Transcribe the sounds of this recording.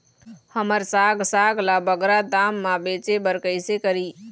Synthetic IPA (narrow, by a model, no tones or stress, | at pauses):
həməɾsaɡsaɡlabəɡɾad̪amːãbet͡ʃebəɾkəɪsekəɾi